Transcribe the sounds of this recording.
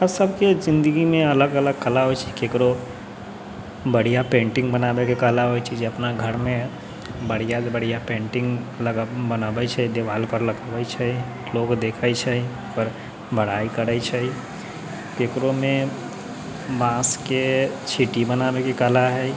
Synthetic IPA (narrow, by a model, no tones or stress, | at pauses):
əsəbkezɪ̃nd̪əɡimẽɐləɡələɡkəlaɦoet͡ʃʰi̥keːkɾo | bəɽ̤ijapẽːɳʈɪ̃ŋɡbənaːbekekəlaɦoit͡ʃʰid͡ʒeɐpnaɡʱəɾmẽ | bəɽ̤ijabəɽ̤ijapẽːɳʈɪ̃ŋɡələɡbənaːbət͡ʃʰɛd̪eʋaːlpəɾləɡaːbət͡ʃʰɛi | loːɡd̪eːkʰəit͡ʃʰɛ | pəɾ | bʱəɽ̤aːikəɾəit͡ʃʰɛi | keːkɾomẽ | bãːsket͡ʃʰiʈibənaːbekekəlaɦɛː